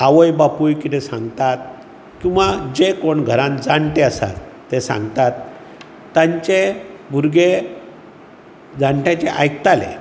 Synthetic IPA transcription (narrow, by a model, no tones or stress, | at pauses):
aʋəjbapujkit̪esãŋɡt̪at̪̚ | kĩw̃ʋad͡ʑekoɳɡʱəɾãnd͡zaɳʈ̪eəsa̰t̪ːesã̰ŋɡt̪at̪ː | ãɲt͡ɕebʱuɾɡe | d͡zaɳʈãt͡ɕeʔajkt̪alḛ